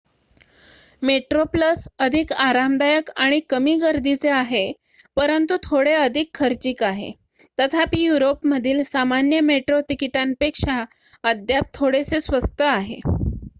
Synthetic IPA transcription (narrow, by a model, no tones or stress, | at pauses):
meʈɾopləsəd̪ʱikaɾamd̪ajəkaɽ̃ikəmiːɡəɾd̪it͡seaɦe | pəɾənt̪ut̪ʰoɽeəd̪ʱikʰːəɾt͡ɕiːkaɦḛ | t̪ət̪ʰapiːjuɾopməd̪ʱiːlsamanjəmeʈɾot̪ikiʈampekʂa | əd̪ʱjap̚t̪ʰoɽesesʋəst̪əaɦḛ